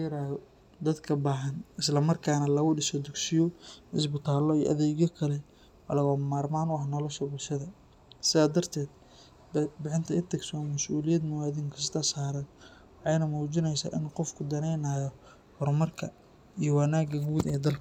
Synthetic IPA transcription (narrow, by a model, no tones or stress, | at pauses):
ɾaːjɔ | d̪ɐd̪kʰɐbaːɦɐnɪslɐmɐrkʰaːnɐlɐɣʊɖɪsɔd̪ʊɡsɪjɔɪsbɪt̪ʰaːlɔijʔɐ̰ðɛːɣjɔkʰɐlɛ | wɑ̰lɐɣɐmaːrmaːnʊɐhnɔlɔʃɐbʊlʃɐðɐ | sɪðaːd̪ɐrt̪ʰɛːd̪ | bɪħɪnt̪ʰɐɪt̪ʰɐɡsɔːnmɐsʔuːlɪjɐd̪mʊwaːðiŋkʰɐs̬t̪ʰɐsaːɾɐn | wɑħɑjnɐmuːt͡ʃɪnɛjsa̰ːʔɪnqɔfkʰʊd̪ɐnɛjnaːjɔ | hɔrmɐrkʰɐ | ijɔwɐnaːɡɐɡuːd̪ɛːd̪ɐlkʰɐ